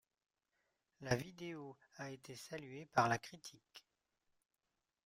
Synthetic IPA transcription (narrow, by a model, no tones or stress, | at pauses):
lavid̪eoaet̪esalɥepaʁlakχit̪ʰik